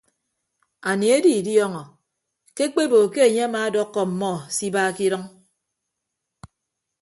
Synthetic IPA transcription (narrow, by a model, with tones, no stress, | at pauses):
a˨ni˨e˦di˨djɔ˦ŋɔ˨ | ke˦k͡pe˦bo˨ke˦e˨ɲe˦a˦ma˨˦dɔ˦kːɔ˨m̩˨mɔ˦˨si˦baː˦ki˦ɾɔ˦ŋ